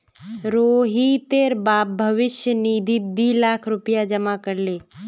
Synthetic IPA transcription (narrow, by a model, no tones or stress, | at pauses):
ɾoːɦit̪eːɾbaːp̚bʱəʋɪʃjəniːd̪ʱibiːlaːkʰɾʊpɪjad͡ʒəmakəɾleː